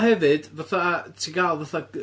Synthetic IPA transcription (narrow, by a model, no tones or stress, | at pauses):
hɛvɨd̥vaθatʰiɡalˠvaθa